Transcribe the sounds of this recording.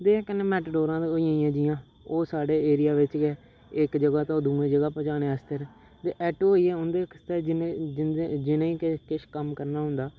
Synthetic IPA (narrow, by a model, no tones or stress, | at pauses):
d̪ẽːkənːeːmɛːʈɖoːɾãːd̪eoijãːĩjãːd͡ʒijãː | oːsaːɖeːeːɾɪjaːʋɪt͡ʃɡɛː | ɪkd͡ʒəɡaːt̪ãoːd̪uːẽːd͡ʒəɡaːpət͡ʃaːɽeːəst̪əɾɛ̃ː | t̪eːʔɛːʈooːiːɛːʊnd̪eːkst̪ɛːd͡ʒɪnːd͡ʒɪed͡ʒɪnẽːiːkkɪʃkəmkəɾnaːɦʊ̃nd̪aː